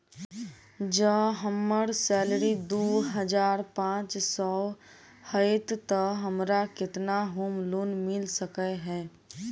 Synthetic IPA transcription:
d͡ʒəɦəmːəɽsɛːlɾid̪oːɦəd͡ʒaːɾpãːt͡ʃsɔː | həɪt̪t̪əɦɐmɾakɪt̪naɦoːmloːnmɪlsəkəɦɛː

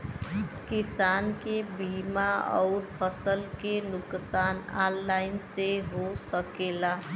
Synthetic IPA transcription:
kisankebimaɔ̰ʊɾpʰʌsəlkenuksanalːajnseɦosəkela

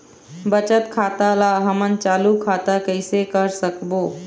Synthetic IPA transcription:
bət͡ʃət̪kʰat̪alaɦəmənt͡ʃalukʰat̪akəɪsekəɾsəkbo

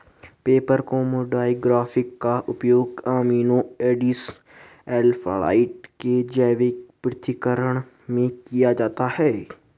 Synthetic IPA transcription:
peːpəɾkoːmoːɖaːjiɡɾaːfɪkːaʔʊpjoːɡaːmiːnoeːɖɪs | ɛːlfʰa̰ːla̰ːɪʈked͡ʒɛːʋekpɾɪt̪ɪkəɾəɽ̃ | mẽkijad͡ʒaːt̪ahɛː

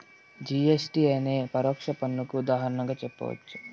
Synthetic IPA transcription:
d͡ʒiesʈiɐjneːpɐɾɔːkʂɐpɐnːukuːd̪aːɦɐɾɐɳɐŋɡaːt͡ʃɛpːɐ̰ʋɐ̰t͡ʃːu̥

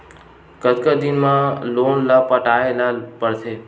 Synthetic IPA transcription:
kət̪kad̪inmãlonlapəʈaelapəɾt̪ʰe

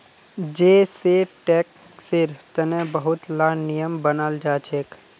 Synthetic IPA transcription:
d͡ʒeːseʈɛːk | sɪɾt̪ənẽbəɦʊt̪laːnijəmbənald͡ʒaːt͡ʃʰek

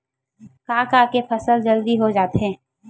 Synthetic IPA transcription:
kaːkaːkepʰɐsəld͡ʒəld̪iɦod͡ʒaːt̪ɦɛ̃ː

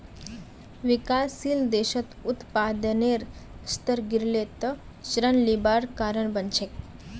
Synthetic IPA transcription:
ʋikasild̪eɕət̪ut̪pad̪əneɾst̪əɾɡiɾlet̪ə | ɕɾənlibaɾkaɾəɳbənt͡ʃʰek

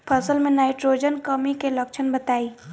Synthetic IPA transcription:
pʰəsəlmẽnaːɪʈɾoːd͡ʒənkəmikelɐkʃʰənbɐt̪aːiː

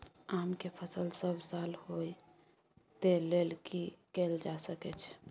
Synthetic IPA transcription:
amkepʰəsəlsəbʱsalhoj | t̪elelkikeld͡ʒasəkɛt͡ʃʰɛ̥

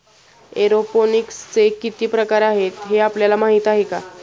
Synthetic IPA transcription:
eɾofonikst͡sekːit̪iːpɾəkaɾaɦet̪ɦeapljalamaɦit̪aɦeka

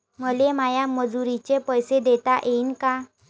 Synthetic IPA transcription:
məlemajaməd͡zuɾit͡ɕepəjsed̪et̪aʔeinka

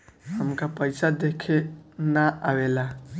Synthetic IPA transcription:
həmkapəjsad̪ekʰenaʔawela

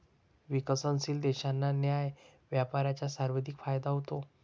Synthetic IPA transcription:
ʋikəsənsiːld̪ɛɕanːanjajʋjapaɾat͡ɕjasaɾʋəd̪ʱikfajd̪aɦot̪o

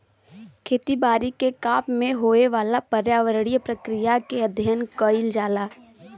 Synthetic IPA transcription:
kʰeːt̪ibaːɾikekaːpmẽɦoːeʋaːlapəɾjaːʋəɾəɽijəpɾɐkɾijakeɐd̪ʱjənkəɪld͡ʒaːlaː

